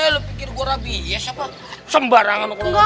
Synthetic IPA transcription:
elopikɪrɡuaɾabijasapa | səmbaɾaŋanokka

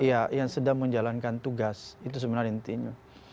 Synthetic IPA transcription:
ijajaŋsədaŋməɲd͡ʒalankant̪uɡasit̪us̬əbənaɾint̪iɲa

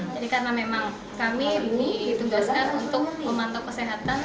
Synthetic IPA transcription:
d͡ʒadikaɾənamemaŋ | kamibidit̪uɡaskanunt̪ʊk̚məmant̪ɔkːəseɦat̪an

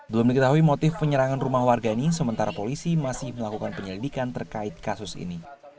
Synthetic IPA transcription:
bəlʊmdikət̪aɦuimot̪ɪfpəɲəɾaŋanrumahwarɡainisəmənt̪aɾapolisimasɪhməlakukanpəɲəlidikant̪ərkaɪt̪̚kasʊsḭni

